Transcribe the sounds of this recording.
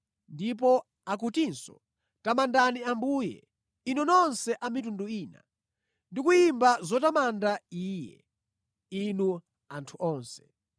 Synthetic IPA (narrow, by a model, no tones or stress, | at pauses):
ndip̬ɔ | ak̬utinsɔ̰ | tamandaniambuːjɛ̰ | inunɔnsɛʔamitunduiːna̰ | ndikujimbazɔtamandaiːjɛ̰ | inu | antʰuʔɔːnsɛ̥